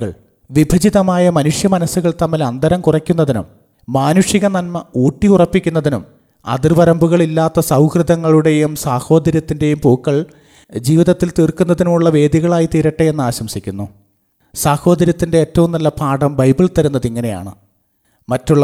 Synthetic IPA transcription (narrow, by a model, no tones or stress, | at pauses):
ɐɭ | ʋibʱɐd͡ʑiðɐmaːjɐmɐnuʂjɐmɐnɐsːuɣɐɭt̪ɐmːilɐnd̪ɐɾɐmkurɐkʲːunːɐðinṵmː | aːnuʂiɣɐnɐnmɐuːʈːiurɐpːikʲːun̪ːɐðinum | ɐ̰d̪irʋɐɾɐmbuɣɐɭilːaːt̪ːɐsɐwkrɨd̪ɐŋːɐɭuɽe̞jumsaːho̞ːd̪ɐɾjɐt̪ːinde̞jumpoːkːɐɭ | d͡ʑiːʋiðɐt̪ːilt̪iːrkunːɐðinumuɭːɐʋe̞ːd̪iɣɐɭaːjit̪iːɾɐʈːeje̞nːɨaːɕɐmsikʲːun̪ːu | saːho̞ːd̪ɐɾjɐt̪ːinde̞eːtːɐʋumnɐlːɐpʰaːɽɐmbɐjbiɭt̪ɐɾunːɐðiŋːɐne̞ja̰ːɳɨ | mɐtːuɭːɐ